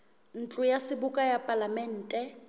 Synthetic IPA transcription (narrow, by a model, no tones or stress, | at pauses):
n̩t͡ɬʼujasɪbʊkʼajapʼalamɛn̩ːtʼɛ